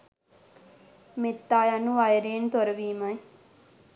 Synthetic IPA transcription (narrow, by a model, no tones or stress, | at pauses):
met̪ːaːjanuʋajəɾeːnt̪oɾəʋiːmɐj